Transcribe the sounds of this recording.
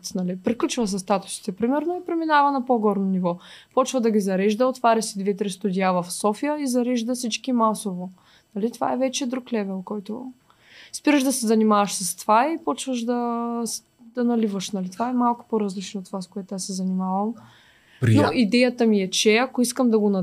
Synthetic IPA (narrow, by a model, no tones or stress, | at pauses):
nɐlipɾiklʲut͡ʃvəs̬ɛst̪at̪ʊ̥si̥t̪ɛpɾimɛɾnoipɾɛminavɐnɐpoɡɔɾnonivɔpɔt͡ʃvəd̪ɐɡʲizɐɾɛʒd̪ɐot̪vaɾʲɐsid̪vɛt̪ɾist̪ud̪iavɐfsɔfijəizɐɾɛʒd̪əsit͡ʃkimasovo | nɐlit̪va̰ɛvɛt͡ʃɛd̪ɾuklɛvɛlˠkɔjt̪o̰ | spiɾəʒd̪ɐsɛzɐnimavəʃsɐst̪ovaipɔt͡ʃvəʃd̪ɐ | d̪̥ɐnɐlivəʃnɐlit̪ovaɛmalˠkʊ̥poɾɐzlit͡ʃnot̪ːovaskoɛt̪asɛzɐnimavɐm | noʔid̪ɛjət̪əmiɛt͡ʃɛakoiskəmd̪ɐɡonɐ